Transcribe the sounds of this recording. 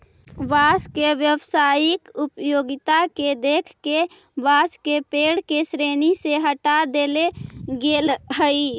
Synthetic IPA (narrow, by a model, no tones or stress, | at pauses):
ʋaskeʋjəʋsajikupjoɡit̪aked̪ekʰke | ʋaskepeɽkesɾeniseɦəʈad̪eleɡelɦəi